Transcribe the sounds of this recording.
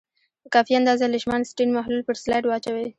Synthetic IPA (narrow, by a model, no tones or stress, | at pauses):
kɑfiand̪ɑzalɪʃmansʈinmahlulpəɾslajʈwɑt͡ʃawe